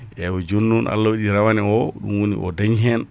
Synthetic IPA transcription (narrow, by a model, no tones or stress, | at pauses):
ʔɛwɔd͡ʒonːunʔa̰lːawaɗiɾawanɛɔɗṵmwonḭʔɔdaɲɦɛn